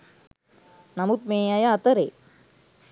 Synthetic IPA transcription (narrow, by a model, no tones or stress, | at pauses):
nɐmut̪̚meːjajaːt̪əɾe